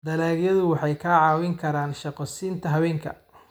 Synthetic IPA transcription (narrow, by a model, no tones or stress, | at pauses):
d̪ɐlaːɡjɐðʊwɑħɑjkʰaʕɑːwɪŋkʰɐɾaːnʃɑqɔsiːnt̪ʰɐɦɐwɛːŋkʰɐ̰